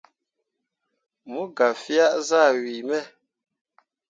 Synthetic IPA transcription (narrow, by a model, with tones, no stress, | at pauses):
mu˦ɡa˨fi˦a˦ʔza˦˨ɥi˨mɛ˦˨